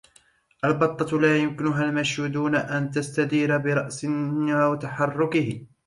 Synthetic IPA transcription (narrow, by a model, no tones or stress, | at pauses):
ʔalbɑt̪ˤːɑlaːjʊmkɪnʊɦalmaʃhuːd̪uːnaʔant̪ast̪ad̪iːɾabɪɾˤɑʔsɪawat̪aħɑrˤːʊkɪhɪ